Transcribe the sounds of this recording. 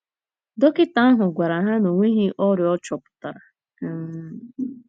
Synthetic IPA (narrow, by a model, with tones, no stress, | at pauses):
do˦kɪ˦ta˨˦a˦ɦʊ˨ɡʷa˨ɾa˨ɦa˦no˨ŋʷi˦ɦi˦ʔɔ˦ɾjɔ˦t͡ʃɔ˨pʊ̥˨ta˨ɾa˨˦˨